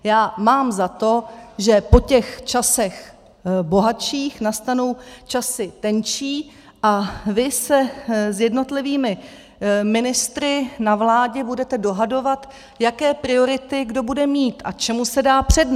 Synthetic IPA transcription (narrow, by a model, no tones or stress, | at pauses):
jaːmaːmzat̪o̞ʒɛpo̞cɛxt͡ʃasɛx | bo̞ɦat͡ʃiːxnast̪anowt͡ʃasɪt̪ɛnt͡ʃiː | ʔavɪsɛzjɛdno̞t̪lɪviːmɪ | mɪnɪst̪ɾɪnavlaːɟɛbudɛt̪ɛdo̞ɦado̞vat̪ | jakɛːpɾɪo̞ɾɪt̪ɪɡdo̞budɛmiːt̪ʔat͡ʃɛmusɛdaːpr̝̥ɛdn